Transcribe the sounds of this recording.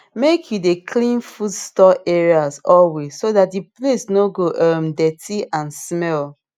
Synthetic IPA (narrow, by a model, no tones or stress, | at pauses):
mekʰjudekʰlĩnfudstɔʔɛɹiasɔlwesːoðat̚diplesnoɡoʔʌ̃mdɛtiʔãnsmɛl